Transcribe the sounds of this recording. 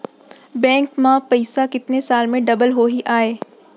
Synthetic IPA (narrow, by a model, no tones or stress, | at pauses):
bɛ̃ːŋkmãpɐɪsakɪt̪nesaːlmẽɖɐbəlɦoɦiʔaːeː